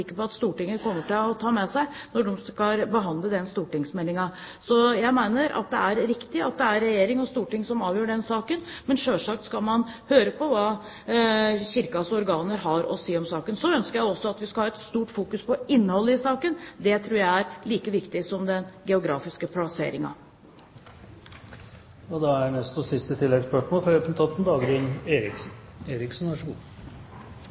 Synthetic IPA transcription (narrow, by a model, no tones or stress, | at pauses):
ɪkːəpɔɑt̪st̪uːʈɪŋːəkʰɔmːəʈɪlɔt̪ʰɑːmɛsæɪnɔɖɔmskɑɾbəɦɑnd̪ləd̪ɛnst̪uːʈɪŋsmɛlɪŋɑ | sɔjæɪmæɪnəɾʔɑ̰t̪̚d̪ɛæɾɾɪkt̪ɪɑt̪̚d̪ɛæɾɛjeːɾɪŋɔst̪uːʈɪŋsɔmɑːʋjøːɖɛnsɑːkənmɛnʂøːlʂɑkt̪skɑlmɑnhøːɾəpʰɔʋɑː | çɪɾkɑsɔɾɡɑːnəɾɦɑɾɔ̰siːɔmsɑːkənsɔœnskəɾjæɪɔsːɔɑt̪ʋɪskɑhɑːɛt̪st̪uːʈfuːkʉspʰɔɪnːəhɔlːəɪsɑːkənd̪ɛt̪ʰɾuːɾjæɪæɾliːkəʋɪkt̪ɪsɔmd̪ɛnɡɛʊɡɾɑːfɪskəpʰlɑsḛːɾɪŋɑ̰ | ɔd̪ɛæɳɛst̪ɔsɪst̪ət̪ʰɪlːɛɡəspœʂmoːlfɔɾøːpən̩t̪ʰɑt̪n̩d̪ɑːɡɾɪneːɾɪksn̩eːɾɪksnʋæʂəɡṵː